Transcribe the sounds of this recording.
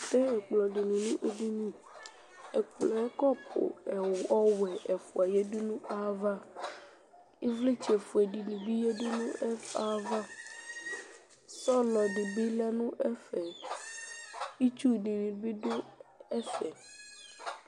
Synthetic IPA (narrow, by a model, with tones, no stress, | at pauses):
t̪ɛ̃˦ɛ˨k͡plɔ˨ɖi˨nũ˨nũ˦ʔe˦ɖi˦nĩ˦ | e˨k͡plɔ̃˨ɛ˦kɔ˦pʰo̰˨ɛ˨ɔ˦wɛ˨ʔɛ˨fṵ˨a˨je˦du˦nũ˦a˦va˦ | i˦vle˦t͡ʃe˨fu˨e˨ɖi˨nĩ˨bi˦je˦du˦nũ˦ɛ˦a˦va˦ | sɔ˦lɔ˨ɖi˨bi˦lɛ˦nũ˦ʔɛ˦fɛ˨ | i˦t͡ʃu˦˨di˨nĩ˨bi˦do˦ɛ˦fɛ˨